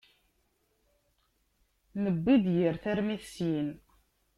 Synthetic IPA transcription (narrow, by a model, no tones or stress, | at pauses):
nəbːid̪jəɾθæɾmiθsjin